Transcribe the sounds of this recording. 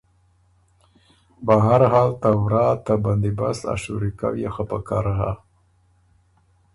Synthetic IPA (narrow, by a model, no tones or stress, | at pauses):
baɦaɾɦɑlt̪awɾɑt̪aband̪ibasa̰ʃṵɾika̰wjaxapakɑɾɦa